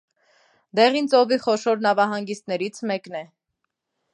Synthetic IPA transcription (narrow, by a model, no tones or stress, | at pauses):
d̪ɛʁint͡sɔviχɔʃɔɾnɑvɑɦɑŋɡist̪nɛɾit͡sʰmɛknɛ